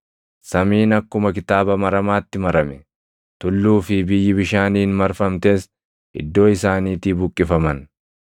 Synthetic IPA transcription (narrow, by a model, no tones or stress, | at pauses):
sɐmiːnɐkːʊmɐkɪt̪aːbɐmɐɾɐmaːt̪ːɪmɐɾɐmɛ | t̪ʊlːuːfɪbɪjːɪbɪʃaːniːnmɐɾfɐmt̪e̞ːs | ʔɪ̰d̪ːo̞ːɪsaːniːt̪iːbʊkʼːɪfɐmɐn